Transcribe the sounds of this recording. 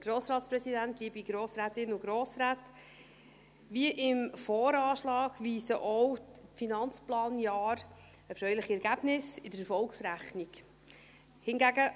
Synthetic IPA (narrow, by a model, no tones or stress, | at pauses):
ɡ̥ɾoːsɾɑːtsprɛsidænt̚ɡ̥ibiɡɾoːsɾæːtɪnʊɡ̥ɾoːsɾæːt | ʋiəʔɪmfɔːɾɑːʃlɑːɡ̥ʋiːsəʔɔwfinɑnt͡splɑːnjɑːɾ | əfɾœʏlɪχiɛɾɡæb̥nɪsɪdəɾɛfɔlksɾæχniɡ | hɪnɡæɡə